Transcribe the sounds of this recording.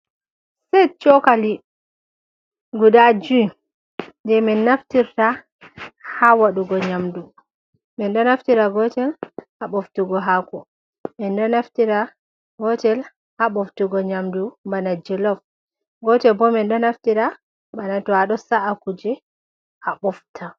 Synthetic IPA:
sɛt͡ʃɔkali | ɡudad͡ʒui | ndɛmɛnːaftiɾta | hawaɗuɡɔɲamdu | mɛnɗɔnaftiɾaɡɔtɛlhaɓɔftuɡɔɦakɔ | mɛnɗɔnaftiɾa | ɡɔtɛl | haɓɔftuɡɔɲamdumbanad͡ʒɛlɔf | ɡɔtɛbɔmɛnɗɔnaftiɾa | banatɔaɗɔsaʔakud͡ʒɛ | ʔaɓɔftʰa

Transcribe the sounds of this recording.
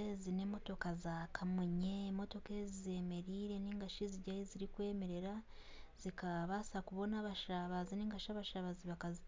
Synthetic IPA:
zine̞mo̞to̞kazakʰamuɲe̞mo̞to̞ke̞zize̞me̞ɾiːɾe̞niːŋɡaʃiziɟajiziɾikwe̞ːme̞ɾe̞ɾa | z̥ikaβasakuβo̞naβaʃaβaziniːŋɡaʃaβaʃaβaziβakazi

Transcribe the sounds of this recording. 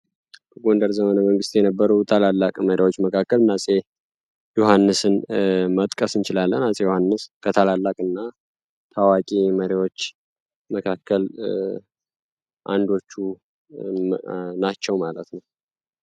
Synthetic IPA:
əɡo̞ndəɾzəmənəməŋɡɨst̪jɛnəbːəɾut̪ʰalalːakʼməɾiwo̞t͡ʃːməkʰakːəlnasʼe | johanːɨsɨnmət̪ʼkʼəsɨnt͡ʃɪlalːənasʼejohanːɨskʰət̪ʰalalːakʼɨnːa | t̪ʰawakʼiməɾiwo̞t͡ʃː | məkʰakʰːəl | ʔa̰nd̪o̞t͡ʃːu | nat͡ʃːɛwmalət̪nəw

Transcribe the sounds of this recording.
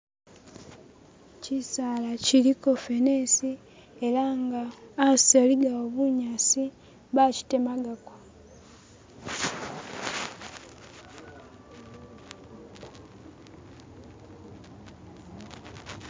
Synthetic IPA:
cisaːlaciliko̞fenesi | eɾaŋɡaːsaliɡaoβuɲasi | βaci̥te̞maɡakwa

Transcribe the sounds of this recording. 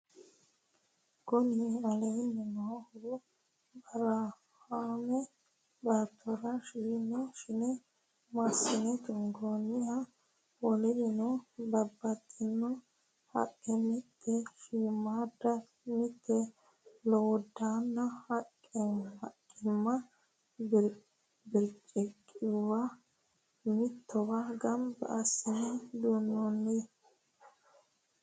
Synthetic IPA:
ɡ̥ɔniɐlejnːɛnɔhʊɾʊ | bɐɾɐ | haːmɛ | bɐt̪ʰːɔɾɐʃiːnːɔʃɪnɛ | masɪnɛt̪ʊŋɡonɪhɐ | wɔlɛʔɪnɔbɐbːɐt̪ːɪnːɔ | hɐ̰kʼːɛmɪt̪ʰːɛʃimːad̪ɐ | mɪt̪ʰːɛ | loːd̪aːnːɐhɐkʼːɛɐkʼːɪmːɐ | bɪɾt͡ʃʼɛkʼːɪwɐ | mɪt̪ʰːɔwɐɡɐmbɐ̰ɐsɪnɛd̪unːɔnːe

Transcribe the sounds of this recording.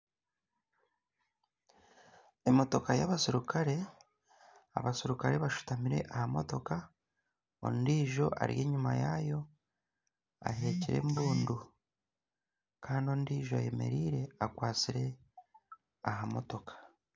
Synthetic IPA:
e̞mo̞to̞kajaβasiɾukʰaɾe̞ | a̰βasiɾukaɾe̞βaʃu̥tamiɾe̞̰ʔahamo̞to̞ka | o̰ndiːʒo̞ʔa̰ɾije̞ːɲumajajo̞ | a̰ɦe̞ciɾe̞̰mbuːndu | kʰaːndio̞ːndiːʒoaje̞me̞̰ɾiːɾe̞akwaːt͡siɾe̞ | aɦamo̞to̞kḁ

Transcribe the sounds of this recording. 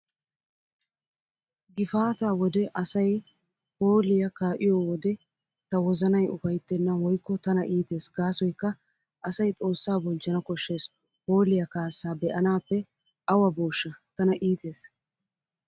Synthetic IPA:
ɡɪfaːt̪aːwɔd̪ɛʔɐsɐj | po̞ːlɪjɐkaːʔɪjɔwɔd̪ɛ | t̪ɐwɔzɐnɐjʊfɐjt̪ːɛnːɐwɔjkːɔt̪ɐnɐʔiːt̪e̞ːsɡaːsɔjkːɐ | ʔɐsɐjt̪ʼo̞ːsːaːbɔld͡ʒɐnɐkɔʃːeːs | ho̞ːlɪjɐkaːsːaːbɛʔɐnaːpːɛ | ʔɐwɐboːʃːɐt̪ɐnɐʔiːt̪e̞ːs

